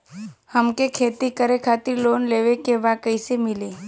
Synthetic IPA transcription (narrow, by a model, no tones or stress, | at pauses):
həmkekʰet̪ikəɾekʰat̪iɾlonleʋekeʋakəjsemili